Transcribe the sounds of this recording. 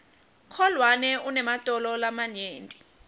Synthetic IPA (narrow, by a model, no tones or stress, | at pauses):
kʰɔlwanɛunɛmatʼɔlɔlamaɲeːntʼi̥